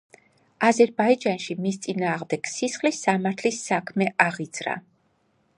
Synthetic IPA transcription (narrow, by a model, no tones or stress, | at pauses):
azɛɾbaid͡ʒanʃimist̪sʼinaːʁmd̪ɛɡ̥sisχlisːamaɾt̪ʰlisːakʰmɛʔaʁid̪z̥ɾa̰